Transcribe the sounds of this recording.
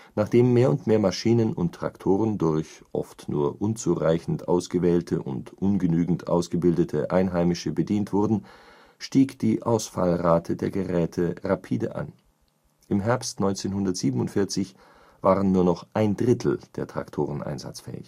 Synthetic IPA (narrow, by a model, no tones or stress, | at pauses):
naːχd̥eːmːeːɐʊntmeːɐmaʃiːnənʊntːʁ̥a̰ktʰoːʁəndʊɐçʔɔ̰ftnṵːɐʔʊnt͡suːʁaɪçn̩tʔa̰ʊsɡ̥əvɛːltʰəʔʊ̰ntʔʊnɡənyːɡŋ̩tʔa̰ʊsɡ̥əbɪldətʰəʔaɪnɦaɪmɪʃəbədiːntv̥ʊɐdn̩ | ʃtiːkd̥iːʔaʊsfa̰lʁaːtʰədeːɐɡəʁɛːtʰəʁapʰiːdə̰ʔa̰n | ʔɪmɦɛɐpstnɔ̃ʏnt͡seːnhʊndɐtz̥iːbən̩ʊntfɪɐt͡sɪç | v̥aːʁənːuːɐnɔχʔaɪndʁɪtʰl̩d̥eːɐtʁ̥a̰ktʰoːʁənʔa̰ɪnza̰t͡sfɛ̰ːɪç